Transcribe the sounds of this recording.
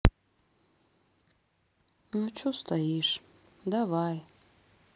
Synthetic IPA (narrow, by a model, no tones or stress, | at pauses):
not͡ʃʰust̪ʰajiʂ | d̪avaj